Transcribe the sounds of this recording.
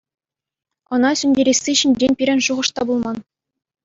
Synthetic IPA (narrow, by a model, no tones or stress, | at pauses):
ɤ̆nɑsʲynʲdʲeɾʲesʲːiɕinʲɾʲenʲpʲiɾʲɘ̆nʲʂuʁɤ̆ʂt̪ɑbulˠmɑn